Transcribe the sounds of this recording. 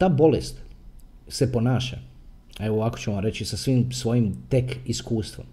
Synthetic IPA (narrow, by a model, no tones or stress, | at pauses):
t̪aːbo̞lest̪ | se̞po̞naːʃa̰ | eʋoakot͡ɕumoɾet͡ɕisasʋimsʋo̞jimt̪ekiskuːst̪ʋo̰m